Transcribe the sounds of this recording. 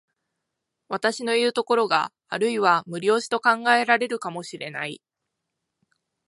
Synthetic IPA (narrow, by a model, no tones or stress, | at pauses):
βat̪aɕino̞iɯ̟t̪o̞ko̞ɾo̞ɡa̰ː | ɾɯ̟iβamɯ̟ɾʲo̞ːʑi̥t̪o̞kãŋɡae̞ɾaɾe̞ɾɯ̟kamo̞ɕiɾe̞̰na̰i